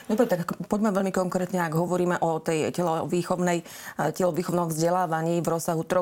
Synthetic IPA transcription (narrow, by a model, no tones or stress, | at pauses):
d̪ɔbɾɛt̪akpɔɟmɛʋɛʎlmikɔŋkɾɛːt̪ɲɛaɡɦɔʋɔɾiːmɛʔɔt̪ɛjcɛlɔʋiːxɔʊnɛj | cɛlɔʋiːxɔʊnɔmvzɟɛlaːʋaɲiːvɾɔsːaɦut̪ɾɔ